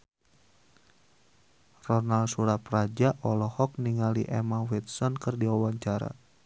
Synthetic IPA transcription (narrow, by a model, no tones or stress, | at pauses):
rɔnalsuɾaprad͡ʒaʔɔlɔhɔk̚niŋaliʔɛmanwit̪̚sɔnkɨrdiwawaɲt͡ʃaɾa̰